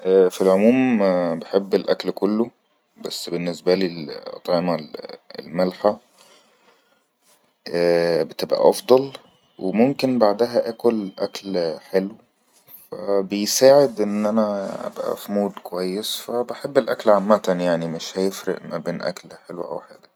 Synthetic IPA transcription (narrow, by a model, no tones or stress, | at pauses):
ʔæːfilʕomuːmbeħebːelʔæklkolːo | bæsːbenːesbæliːlʔɑ̰t̪ˤʕemæḛlmælħa | ʔæbet̪ebʔæ̰ʔɑfd̪ˤɑl | wʔemomkenbaʕd̪æɦæʔæːkolʔæklħelw | fæbejsaːʕed̪ʔenːʔænæʔæ̰bʔæ̰fimoːd̪kowæjːesfæbeħebːelʔæklʕamːæt̪ænjaʕnimeʃhæjefɾḛʔmæbeːnʔæ̰klħelwʔæ̰wħḛːɡ̪æ